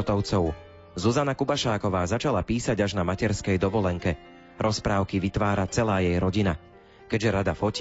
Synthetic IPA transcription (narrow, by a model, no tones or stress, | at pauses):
t̪ɔʊt͡sɔʊ | zuzanakubaʃaːkɔʋaːzat͡ʃalapiːsaɟaʒnamacɛɾskɛjd̪ɔʋɔlɛŋkɛ | ɾʔɔspɾaːʊkiʋit̪ʋaːɾat͡sɛlaːjɛjɾɔɟina | kɛʒɛɾad̪afɔc